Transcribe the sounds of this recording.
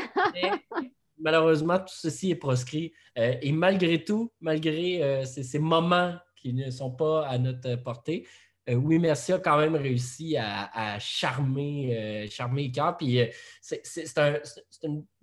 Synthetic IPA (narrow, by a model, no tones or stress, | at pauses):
ɛ | maløʁøːzmɑ̃t̪u̥səsiɛpχɔs̬kʁi | øemalɡʁet̪umalɡʁeøsesemɔmɑ̃kʲinəsɔ̃paanɔt̪χəpɔʁt̪e | øwimɛʁsiɔkɑ̃mɛ̃mʁeysiaːʃaʁmeøʃaʁmelek̬œːʁpɥisesese̥t̪ɛ̃sese̥t̪yn